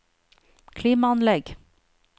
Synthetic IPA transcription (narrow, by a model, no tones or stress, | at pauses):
kʰliːmɑɑnlɛɡ